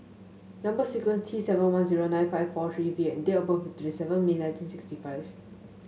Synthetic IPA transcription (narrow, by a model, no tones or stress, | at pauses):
nãmbəsikwɛ̃nstʰɹiːsɛvə̃nwãnziɹonãɪj̃nfaɪvfɔt̪ʰɹiviɛ̃ndeopə̃fɔt̪ʰɹisɛvə̃nmĩnãɪ̃ntĩnsikstifaɪv